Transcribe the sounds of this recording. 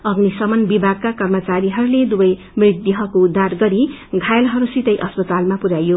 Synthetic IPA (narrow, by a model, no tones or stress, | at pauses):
ʌɡnisʌmʌnbibʱaɡ̚kakʌrmʌt͡saɾiɦʌɾuled̪ubʌj | mrid̪jʌɦʌkoud̪ʱːarɡʌɾi | ɡʱajelɦʌɾusit̪ʌjʔʌspʌt̪almapuɾajo